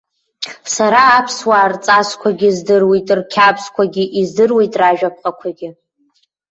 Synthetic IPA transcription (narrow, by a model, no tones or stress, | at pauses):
saɾaːpʰswaːrt͡sʼaskʷʰaɡʲɪzdɨrwejtʼrkʲʰapʰskʷʰaɡʲɪʔizdɨrwejtʼraʒᶣap̚ʰqʼakʷʰaɡʲɪ